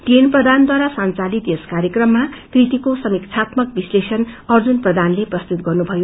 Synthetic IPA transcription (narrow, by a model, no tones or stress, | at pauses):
ʈenprʌd̪ʱand̪waɾasant͡salit̪eskaɾjekrʌmːakrit̪ikosʌmikt͡sʰat̪mʌk̚bislesʌnʌrd͡zunprʌd̪ʱanleprʌst̪ut̪̚ɡʌrnubʱʌjo